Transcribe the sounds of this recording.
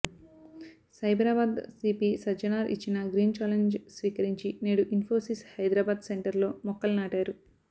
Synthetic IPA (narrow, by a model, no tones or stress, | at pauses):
sɐjbɾaːbaːd̪siːpiːsɐd͡ʒɐnaːɾʔḭt͡ʃːinɐɡɾiːnt͡ʃaːleɲd͡ʒsʋiːkɐɾiɲt͡ʃineːɽuʔinpʰo̞ːsishɐjd̪ɾaːbaːd̪seɳʈɐɾlo̞ːmɔkːɐlnaːʈaːɾu